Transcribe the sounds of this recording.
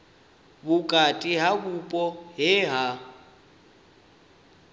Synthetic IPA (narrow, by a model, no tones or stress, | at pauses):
bʊkʼatʼiɦabupʼɔɦɪɦa